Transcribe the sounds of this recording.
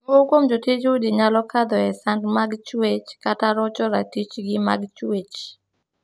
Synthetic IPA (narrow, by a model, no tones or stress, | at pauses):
ŋokomd͡ʒotit͡ʃudiɲalɔkad̪ɔɛsandmaɡt͡ʃwet͡ʃkataɾɔt͡ʃɔɾatit͡ʃɡɪma̰ɡt͡ʃwet͡ʃ